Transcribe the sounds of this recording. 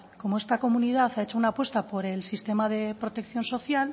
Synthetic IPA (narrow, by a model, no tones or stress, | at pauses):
ko̞moe̞st̪ako̞munið̞aθae̞t͡ʃounaːpwe̞st̪apo̞ɾe̞lsist̪e̞maðe̞pɾo̞t̪e̞kθjo̞nso̞θjal